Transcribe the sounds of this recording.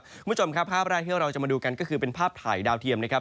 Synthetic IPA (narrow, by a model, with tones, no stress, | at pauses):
kʰuː˧˩˦t͡ɕʰo˧mkʰa˦˥pʰːaː˥˩p̚ɾaː˥˩jt̪ʰi˥˩ɾa˧t͡ɕa˨˩ma˧duː˧ka˧nkɔː˥˩kʰɯː˧pe˧npʰaː˥˩p̚t̪ʰa̰ː˨˩jdaː˧wt̪ʰi˧əmna˦˥kʰa˦˥p̚